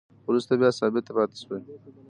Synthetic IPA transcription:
wɾust̪abjɑsɑbɪt̪ːapɑt̪e̥ʃwe

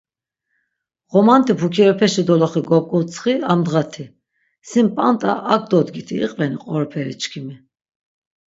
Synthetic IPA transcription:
ʁɔmant̪ʰʼipʰukʰiɾɔpʰɛʃid̪ɔlɔχiɡɔkʼut͡sʰʼχiamd̪ʁat̪ʰi | simpʼant̪ʼa̰ʔːk̚ʰʼd̪ɔd̪ɡit̪ʰiḭqʼvɛniqʼɔɾɔpʰɛɾḭt͡ʃkʰimi

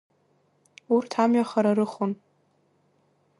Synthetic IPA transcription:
urtʰamɥaχaɾaɾɨχon

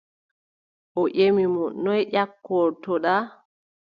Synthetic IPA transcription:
ʔɔʔemimɔnːɔjʔakːɔɾtɔɗa

